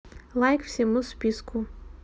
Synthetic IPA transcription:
lˠajkfsʲɛmuspʲiskʰu

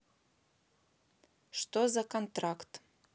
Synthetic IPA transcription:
ʂt̪ozakont̪rakt̪

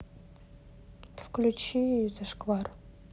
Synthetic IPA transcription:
fklʲut͡ɕizɐʂkvar

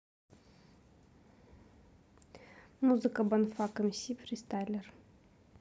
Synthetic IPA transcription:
muzɨkəbɐnfakəmʲsʲipɾʲist̪ajlʲer

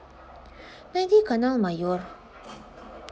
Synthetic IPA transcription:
nat̪ikanalmajoɹ

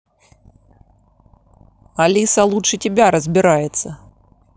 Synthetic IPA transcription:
alʲisɐlˠutʂɨtʲɪbʲaɾəzʲbʲɪɾajɛt̪sːɐ

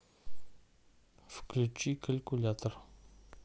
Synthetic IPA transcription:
fə̥klət͡ʃːikʰalkulat̪əɾ

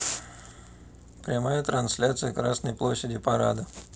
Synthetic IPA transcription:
pɾʲɪmajət̪ɾɐnsʲlʲat̪sɨjəkɾasnəjplˠoɕːɪdʲɪpɐɾa̰d̪ə

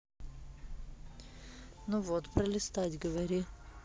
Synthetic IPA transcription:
nuvot̪pɾəlʲɪst̪atʲɡəvɐɾʲi

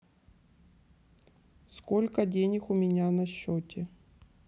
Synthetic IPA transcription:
skolʲkɐdʲenʲɪxʊmʲɪnʲanɐɕːotʲɪ

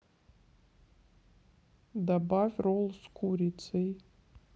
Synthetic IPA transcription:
d̪abavʲrolˠskʰuɾʲit̪sɨj

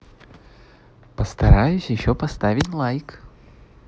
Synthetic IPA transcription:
pəst̪ɐɾajʊsʲjɪɕːopɐst̪avʲɪtʲlˠajk

